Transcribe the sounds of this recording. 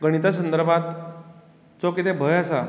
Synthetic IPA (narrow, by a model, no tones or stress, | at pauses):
ɡəɽ̃it̪asənd̪əɾbʱat̪ | t͡sokit̪ebʱəjasa